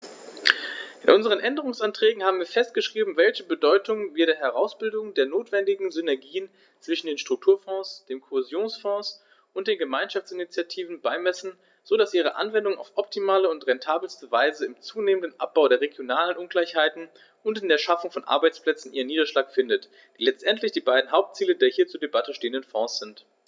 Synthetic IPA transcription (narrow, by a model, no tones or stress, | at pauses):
ʔɪnʔʊnzəʁ̞ənʔɛndəʁ̞ʊŋsʔantʁ̥ɛːɡŋ̩haːbm̩viːɐfɛst̚ɡ̥əʃʁ̥iːbm̩vɛlçəbədɔʏtʊŋviːɐɾeːɐɦɛʁaʊsb̥ɪldʊŋdeːɐnoːtv̥ɛndɪɡŋ̩zʏnɛɐɡiːən | t͡sv̥ɪʃn̩deːnʃtʁ̥ʊk̚tʰuːɐfɔ̃ːsd̥eːmkʰohezjoːnsfɔ̃ːs | ʊntd̥eːnɡəmaɪnʃaft͡sʔɪnit͡sjatʰiːvn̩baɪmɛsn̩ | z̥oːdasʔiːʁ̞əʔa̰nvɛndʊŋa̰ʊfʔɔp̚tʰimaːləʊntʁɛntʰaːbl̩stəvaɪzəɪmt͡suːneːməndənʔa̰p̚b̥aʊɾeːɐʁeɡjonaːlənʔʊnɡlaɪçhaɪtn̩ | ʊntɪndeːɐʃafʊŋfɔnʔa̰ɐbaɪt͡spl̥ɛt͡sn̩ʔiːʁəniːdɐʃlaːkfɪndət | d̥iːlɛt͡stʔɛntlɪçd̥iːbaɪdn̩ɦaʊp̚tt͡siːlədeːɐhiːɐt͡suːɐdebatəʃteːəndənfɔ̃ːsz̥ɪnt